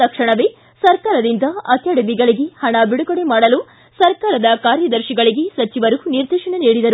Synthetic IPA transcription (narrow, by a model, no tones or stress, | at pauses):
ɐkʂɐɳɐʋe | sɐɾkaːɾɐd̪ind̪ɐɐk̪jɐɽɐbiɡɐɭiɡe̞hɐɳɐbiɽuɡɐɽemaːɽɐlu | sɐɾkaːɾɐd̪ɐkaːɾjɐd̪ɐɾʃiɡɐɭiɡe̞sɐt͡ʃiʋɐɾuniɾd̪iːʃɐɳeniːɽid̪ɐɾu